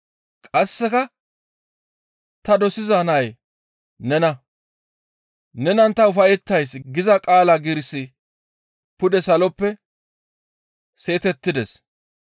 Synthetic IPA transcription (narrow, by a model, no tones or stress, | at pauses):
kʼɐsːɛkɐ | t̪ɐd̪ɔsɪzanɐj | nɛnɐ | nɛnɐnt̪ɐʊfɐjɛt̪ːɐjsɡɪzɐkʼaːlaɡɪɾsɪ | pʊd̪ɛsɐlɔpːɛ | se̞ːt̪ɛt̪ːɪd̪ɛs